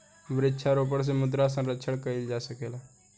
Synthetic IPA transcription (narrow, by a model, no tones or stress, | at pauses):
ʋɾɪtːt͡ʃʰaɾoːp̬əɽs̬emʊd̪ɾas̬ə̃nɾətːt͡ʃʰəɽkəɪld͡ʒaːsəkeːlaː